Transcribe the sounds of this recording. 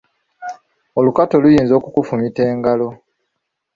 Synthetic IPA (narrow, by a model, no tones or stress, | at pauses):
olukato̞lujiːnzo̞ːkukufumite̞ːŋɡalo̞